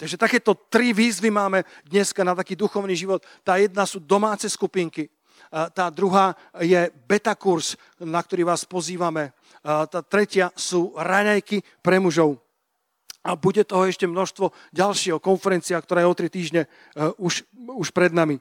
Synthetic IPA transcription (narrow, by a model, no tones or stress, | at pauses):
t̪aɡʒɛt̪akɛːt̪ɔt̪ɾiʋiːzʋimaːmɛd̪ɲɛskanat̪akiːd̪uxɔʊniːʒiʋɔt̪ːaːjɛd̪nasuːd̪ɔmaːt͡sɛskupiŋki | t̪aːd̪ɾuɦaː | jɛbɛt̪akuɾs | nak̚t̪ɔɾiːʋaːspɔziːʋamɛ | t̪aːt̪ɾɛcɪasuːɾaɲajki | pɾɛmuʒɔʊ | abuɟɛt̪ɔɦɔɛʃcɛmnɔʃst̪ʋɔ | ɟalʃɪɛɦɔkɔnfɛɾɛnt͡siak̚t̪ɔɾaːjɛɔt̪ɾit̪iːʒɲɛ | uʃuʃpɾɛd̪nami